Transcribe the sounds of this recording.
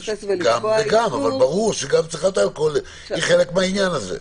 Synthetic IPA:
ɡamveɡamavalbaʁuʁʃeɡavt͡siχat̪alkol | iχelekmeainjanazḛ

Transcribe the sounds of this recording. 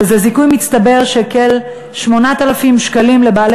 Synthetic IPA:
ezezikujmit͡st̪abe̞ʁʃekel | ʃmo̞nat̪alafimʃkalimle̞baːle

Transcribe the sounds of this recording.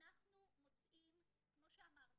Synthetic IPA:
naχnumut͡simkimoʃamaʁ

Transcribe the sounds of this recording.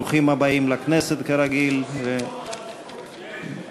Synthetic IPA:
uχimhabaimlakneset̪keɾaɡilve

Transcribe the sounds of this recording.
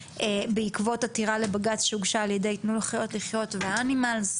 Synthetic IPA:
ebeikvo̞tatiʁalebaɡatʃuɡʃaːljedejtnulaχajo̞tliχjo̞tveaanimalz

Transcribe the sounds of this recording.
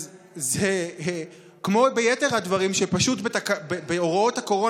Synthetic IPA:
ze | kmo̞be̞jeteʁhadvaʁimʃepaʃutbetakbebeoʁo̞thako̞ʁo̞

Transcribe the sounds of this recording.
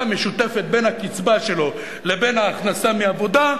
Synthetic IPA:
meʃut̪e̞fet̪̚be̞nhakit͡sbaʃe̞lo̞ | lebe̞nhaːχnasameavo̞d̪a

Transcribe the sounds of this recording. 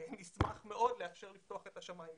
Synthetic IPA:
nismaχme̞o̞dleafʃeʁlift̪oaχet̪haʃamaim

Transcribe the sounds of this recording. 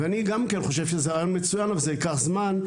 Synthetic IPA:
eaniɡamkenχo̞ʃ̬evʃezeʁajo̞nmet͡sujanavalzeikaχzman

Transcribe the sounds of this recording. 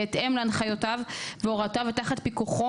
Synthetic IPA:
et̪ʔemlaanχajotavveoʁat̪avet̪aχat̪̚pikuχo

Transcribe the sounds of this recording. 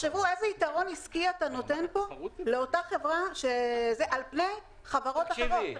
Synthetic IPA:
ʃevue̞zeitaʁo̞niskiatano̞te̞npo̞le̞otaχe̞vʁaʃezeʔalpne̞j | χavaʁo̞t̪laʃeʁot

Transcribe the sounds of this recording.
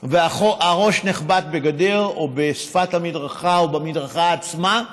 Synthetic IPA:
veaχoaʁo̞ʃneχbat̪̚be̞ɡadeʁobesfathamidʁaχaobamidʁaχaːt͡sma

